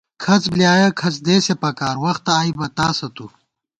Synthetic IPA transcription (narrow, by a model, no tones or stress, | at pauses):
kʰɐt͡sbljaːjɐkʰɐt͡sd̪eːsepɐkaːɾwɐxt̪ɐːjbɐt̪aːsɐt̪u